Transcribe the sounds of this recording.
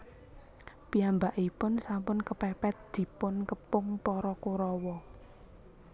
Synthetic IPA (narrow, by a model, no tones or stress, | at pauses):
piambaʔipʊnsampʊnkəpɛpɛt̪̚d̪̥i̤pʊnkəpʊŋpɔɾɔkuɾɔwɔ